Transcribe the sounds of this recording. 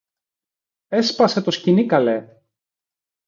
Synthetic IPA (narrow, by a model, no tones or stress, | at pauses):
e̞spɐse̞t̪o̞scinikɐle